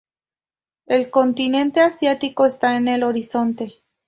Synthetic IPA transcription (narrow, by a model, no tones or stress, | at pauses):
e̞lko̞nt̪inẽ̞nt̪e̞asjat̪iko̞est̪aene̞lo̞ɾiso̞nt̪e̞